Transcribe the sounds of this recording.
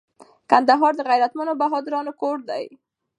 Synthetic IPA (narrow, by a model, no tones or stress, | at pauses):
kand̪aɦɑɾd̪əɣajɾat̪manobaɦɑd̪ɪɾɑnokoɽd̪a̰j